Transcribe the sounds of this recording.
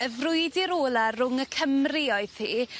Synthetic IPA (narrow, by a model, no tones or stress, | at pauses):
əvrʊɨdiɾoːlˠarʊŋəkʰəmrɪɔɨð̥tiː